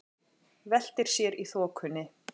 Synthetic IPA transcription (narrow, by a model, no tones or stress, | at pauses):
vɛl̥t̪ɪɾ̥sjɛɾiθɔːkʰʏnːɪ